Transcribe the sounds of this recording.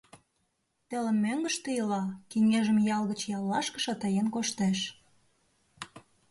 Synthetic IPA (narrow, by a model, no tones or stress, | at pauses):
t̪ĕlə̆mmːøŋɡə̆ʃt̪əjəlɑkiŋeʒə̆mjɑlɣə̆t͡ɕjɑlːɑʃkə̥̆ʃɑt̪ɑjenkoʃt̪eʃ